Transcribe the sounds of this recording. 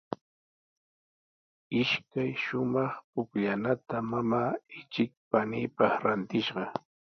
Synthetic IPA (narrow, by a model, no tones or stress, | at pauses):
ɪʃkajʃʊmɑχpʊkʎanat̪amamaːɪt͡ʃɪk̚panɪːpɑχɾant̪ɪʃɢɑ